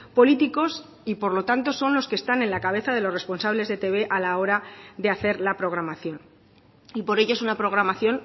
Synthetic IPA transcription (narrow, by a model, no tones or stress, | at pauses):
po̞lit̪iko̞s | ipo̞ɾlo̞t̪ant̪o̞so̞nlo̞ske̞st̪ane̞nlakaβ̞e̞θaðe̞lo̞respo̞nsaβle̞zðet̪e̞β̞e̞ʔalao̞ɾaðe̞aθe̞ɾlapɾo̞ɣ̞ɾamaθjo̞n | ipo̞ɾe̞ʝo̞esunapɾo̞ɣ̞ɾamaθjo̞n